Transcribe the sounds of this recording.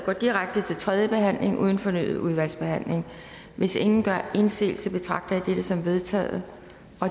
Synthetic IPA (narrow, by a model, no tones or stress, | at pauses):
ɡ̥ɒ̰ːd̥iʁaɡ̥̚d̥ət͡sʰe̝lt͡sʰʁɛðˠjəb̥e̝ɦæn̰le̝ŋʔṵːð̞ˠn̩fɒ̽ny̰ːð̩ˠuð̞ˠʋæl̰sb̥e̝hæn̰le̝ŋ | ʋe̝se̝ŋn̩ɡ̥ɶɐe̝nse̝̰ːl̩səb̥e̝t͡sʰʁɑ̈ɡ̥d̥ɐæd̥ed̥əsɒ̽mʋe̝ð̞ˠt͡sʰɛ̰ːð̩ˠə | ʔɒ̽